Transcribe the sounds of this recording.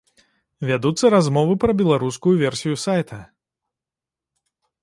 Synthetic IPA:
vʲad̪ut̪sːɐɾazmɔvɨpɾɐbʲɛlˠaɾuskujuvʲɛrsʲijusajt̪ʰɐ

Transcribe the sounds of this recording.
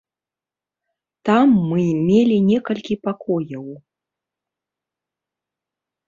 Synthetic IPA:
t̪amːɨmʲelʲinʲɛkɐlʲkʲipakʰɔjɐw

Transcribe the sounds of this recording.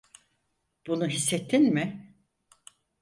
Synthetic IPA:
b̥unuɦisːet̪ʰːinmɪ

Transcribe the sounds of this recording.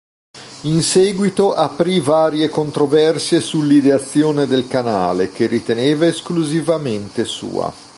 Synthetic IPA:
insɛːɡwit̪oʔapɾivaːɾjekont̪ɾovɛrsjesulːid̪eat̪sːjoːned̪elkana̰ːlek̟erːit̪eneːvaeskluzivament̪esṵːa̰

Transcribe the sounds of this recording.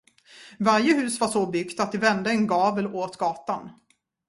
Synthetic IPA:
vaɾjəhʉ̟ːsvaʂɔbʏɡt̪at̪̚d̪ɪvɛnd̪əɛnɡɑːvəlʔoːt̪ɡɑːt̪an

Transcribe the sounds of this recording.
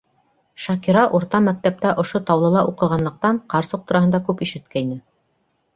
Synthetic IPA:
ʃɑkiɾɑʔuɾt̪ɑmæk̚t̪æp̚t̪æʔŏʃot̪ɑwlˠɤ̆lˠɑʔuqɤ̆ʁɑnlˠɤ̆q̚t̪ɑɴqɑɾsɤq̚t̪uɾɑɦɤnd̪ɑkʉpiʃɘ̆t̪̚kæinɘ

